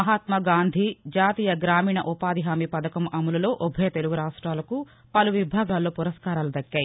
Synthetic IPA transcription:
ɐɦaːt̪mɐɡaːnd̪ʱid͡ʒaːt̪iːjɐɡɾaːmiːɳɐʔupaːd̪iɦaːmipɐd̪ɐkɐmʔɐmulɐlo̞ːʔɔbʱɐjɐt̪e̞luɡuɾaːʂʈɾaːlɐku | pɐluʋibʱaːɡaːlːo̞ːpuɾɐskaːɾaːlud̪ɐkːaːji

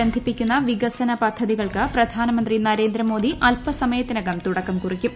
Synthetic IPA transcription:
ɐnd̪ʱipːikʲːunːɐʋiɡɐsɐnɐpɐd̪ʱːɐðiɣɐɭkɨprɐd̪ʱaːnɐmɐnd̪rinɐɾe̞ːnd̪ɾɐmo̞ːd̪iʔɐlpɐsɐmɐjɐt̪ːinɐɡɐmt̪uɽɐkːɐmkurikʲːum

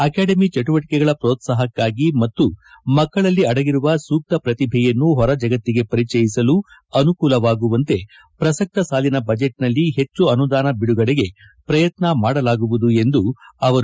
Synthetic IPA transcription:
ɐkaːɖɐmit͡ʃɐʈuʋɐʈi̥kɛɡɐɭɐpɾoːt̪saːɦɐkːaːɡimɐt̪ːu | mɐkːɐɭɐlːiɐɽɐɡiɾuʋɐsuːk̚t̪ɐpɾɐt̪ibʱijɐnːuɦɔɾɐd͡ʒɐɡɐt̪ːiɡe̞pɐɾit͡ʃɐjisɐluɐnukuːlɐʋaːɡuʋɐnt̪e̞ | pɾɐsɐk̚t̪ɐsaːlinɐbɐd͡ʒeʈnɐlːiɦe̞t͡ʃːuɐnud̪aːnɐbiɽuɡɐɽeɡe̞ | pɾɐjɐt̪nɐmaːɽɐlaːɡuʋud̪ue̞nd̪uɐʋɐɾu

